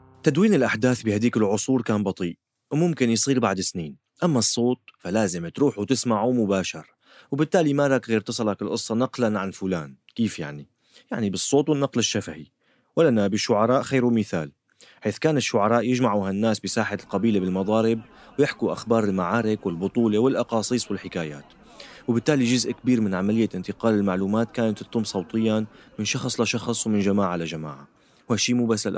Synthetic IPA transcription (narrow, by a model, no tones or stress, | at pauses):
t̪ad̪wiːnɪlʔaħd̪aːθbɪhad̪iːkɪlʕʊsˤuːɾkaːnbɑt̪ˤiːʔ | wmʊmkɪnjsˤiːlbaʕd̪ɪsniːn | ʔamːasˤːoːt̪̚falaːzɪmt̪ɾuːħut̪ɪsmaʕumʊbaːʃɑɾˤ | wbɪt̪ːaːlimaðakɣɪɾt̪ɨsˤɑlɑkɪlʔɨsˤːɑnɑqlanʕanfʊlaːn | kiːfja̰ʕni | jaʕnibɨsˤːoːt̪wɪnːɑqlɪʃːafahi | walanabɪʃːʊʕɑɾˤɑːʔxejːɾwmɪθa̰ːl | ħeːθkaːnɪʃːʊʕɑɾˤɑːʔjɪʒmaʕuɦanːaːsbɪsaːħalqɑbiːlabɪlmɑd̪ˤɑːɾɪb̚ | wjɪħkuʔaxbɑːɾˤɪlmaʕaːɾɪkwɪlbʊt̪ˤuːlewɪlʔɑqɑːsˤiːsˤwɪlħɪkaːja̰ːt̪ | wbɪt̪ːaːliʒʊzʔkabiːɾmɪnʕamalɪjːaʔɪnt̪ɪqɑːlɪlmaʕluːmaːt̪kaːnat̪ːɨt̪ˤʊmːsˤɑwt̪ˤɨjːamɪnʃɑxsˤlaʃɑxsˤwmɪnʒamaːʕalaʒama̰ːʕa | haʃiːmuːbasːalʔ